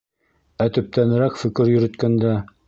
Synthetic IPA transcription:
æt̪ɵ̆p̚t̪ænɘ̆ɾækfɵ̆kɘɾjɵ̆ɾɵ̆t̪kænd̪æ

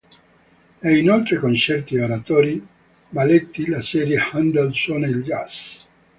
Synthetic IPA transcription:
ɛinolt̪ɾekont͡ʃɛrt̪ioɾat̪oːɾi | balet̪ːilasɛːɾjehand̪elsonelɡas

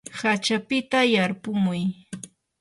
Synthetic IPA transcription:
hat͡ʃapɪt̪ajaɾpʊmʊj

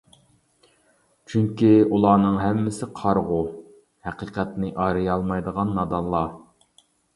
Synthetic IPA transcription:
t͡ʃʰyŋkʲiulˠɑːnɨŋɦɛmːɪsɪqʰɑɾʁʊ | hæqiːqʰɛt̪nɪʔɑːɾɨjɑlˠmɑjd̪əʁɑnːɑd̪ɑlˠːɑ

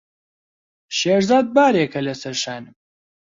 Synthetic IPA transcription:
ʃeːɾzaːd̪̚baːɾekʰɐlɐsɐɾʃaːnɨm

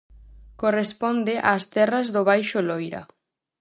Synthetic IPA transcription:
korespɔnd̪eʔa̰ːst̪ɛrazðʊβ̞ajʃolojɾa̰

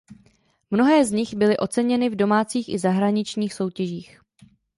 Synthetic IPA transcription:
mno̞ɦɛːzɲɪxbɪlɪʔo̞t͡sɛɲɛnɪvdo̞maːt͡siːxɪzaɦɾaɲɪt͡ʃɲiːxso̞wcɛʒiːx

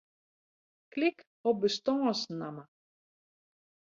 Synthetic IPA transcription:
klɪk | ɔbəst̪ɔŋɔsnama

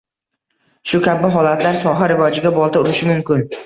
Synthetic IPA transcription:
ʃʊkʲʰabɪɦɒlat̪ʰlaɾsɒɦaɾɪvɒd͡ʒɪɡʲabɒlˠt̪aʊɾɪʃɪmʊmkʲɪn

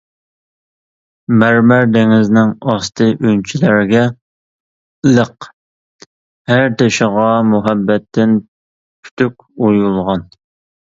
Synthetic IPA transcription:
mæɾmæɾd̪eŋɪznɪŋɑst̪ʰɨʔynt͡ʃʰilæɾɡʲɛ | ləq | hæɾt̪ʰeʃəʁɑmuɦɛbːɛt̪ʰːɪn | pʰy̥t̪ʰykʲujulˠʁɑn

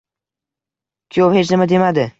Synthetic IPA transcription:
kʲʰjowhet͡ʃnɪmad̪e̞mad̪ɪ

